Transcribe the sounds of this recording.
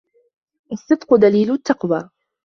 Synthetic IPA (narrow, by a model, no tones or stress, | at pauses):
ʔɑsˤːɨd̪ˤqʊd̪aliːlʊt̪ːɑqwaː